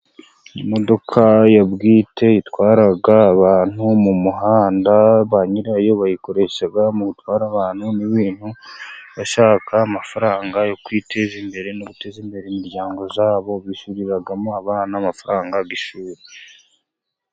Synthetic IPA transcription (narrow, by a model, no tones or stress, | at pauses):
nimo̞do̞kʰajabɡiːtʰe̞jitwaːɾaɡaːβaːn̥humumuɦaːndaβaɲiɾajo̞βajiko̞ɾe̞ʃaɡamuɡutwaːɾaβaːn̥huniβiːn̥huβaʃaːkʰaːmafaɾaːŋɡajo̞kwiːtʰe̞zimbe̞ɾe̞noɡute̞zimbe̞ɾeimiɾɟaːŋɡo̞zaːβo̞βiʃuɾiɾaɡamoaβaːnaːmafaɾaːŋɡaɡiʃuːɾe